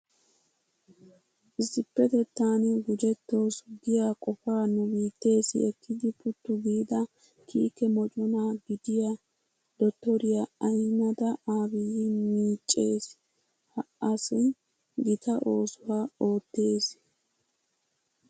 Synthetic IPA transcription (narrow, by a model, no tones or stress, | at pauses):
ʔɪsːɪpːɛt̪ɛt̪ːaːnɛɡʊd͡ʒɛt̪ːo̞ːsɡɪjaːkʼɔfaːnʊbiːt̪ːe̞ːsɪ̰ɛkʰːɪd̪ɪpʊt̪ːʊɡiːd̪ɐ | kʰiːkɛmɔt͡ʃʼʊnaɡɪd̪ɪja | d̪ɔt̪ːɔɾɪjaɐjnɐd̪ɐaːbɪjɪmiːt͡ʃʼːe̞ːs | hɐʔɐsɪ | ɡɪt̪ʰɐʔo̞ːsʊwaːo̞ːt̪ːe̞ːs